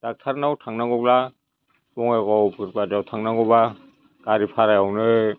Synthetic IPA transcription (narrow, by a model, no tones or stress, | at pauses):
d̥ak̚tʰaɾnawtʰaŋnaɡɔɡ̚la | bɔŋaɡɔwbɯɾbad͡ʒawtʰaŋnaɡɔba | ɡ̥aɾipʰaɾajawnɯ